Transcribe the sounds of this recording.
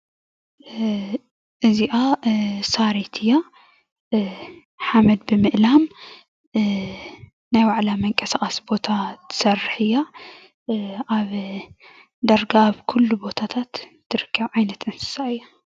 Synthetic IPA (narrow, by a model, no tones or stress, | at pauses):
ʔɨziʔasaɾit̪ʰɨja | ħamɐd̪̚bɨmɨʔlam | najwaʕlamɐŋkʼɐsaχʼɐsbo̞t̪ʰat̪ʰɨ̥sɐrħɨjːa | ʔaβ | d̪ɐɾɡaβkʰulːubo̞t̪ʰat̪ʰat̪ːʰ | ɨɾɨkʰːɐβʕajnɐt̪ʔɨnsɨ̥saʔɨjːa